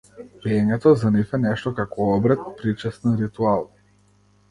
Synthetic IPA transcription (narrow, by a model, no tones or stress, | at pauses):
piɛɲɛt̪ɔzanifɛnɛʃt̪ɔkakɔɔbɾɛt̪̚pɾit͡ʃɛst̪ɛnɾit̪ualˠ